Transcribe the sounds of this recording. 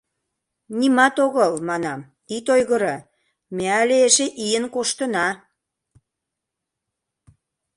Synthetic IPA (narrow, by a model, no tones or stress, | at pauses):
nimɑt̪oɣəlmɑnɑm | it̪ojɣəɾɤ̆ | meæleeʃeʔiənkoʃt̪ə̆nɑ